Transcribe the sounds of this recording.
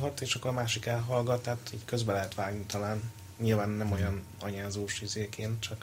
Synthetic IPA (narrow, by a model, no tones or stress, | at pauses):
ɦɒt̪eːʃɒkːoɾɒmaːʃikɛlɦɒlɡɒt̪ːaːt̪iːɟkø̞zbɛlɛɦɛt̪ʋaːɡnit̪ɒlaːn | ɲilvaːnːɛmo̞jɒn | ɒɲaːzoːʃizeːkeːnt̪̚t͡ʃɒk